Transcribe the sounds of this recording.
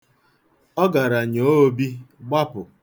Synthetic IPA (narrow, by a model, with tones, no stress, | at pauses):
ɔ˦ɡa˨ɾa˨ɲo˨˦o˦bi˦ɡ͡ba˦pʊ˨